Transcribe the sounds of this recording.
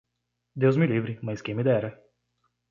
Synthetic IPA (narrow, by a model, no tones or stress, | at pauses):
d̪ewzmɪlivɾɪmɐ̃jskẽj̃mɪd̪ɛɾɐ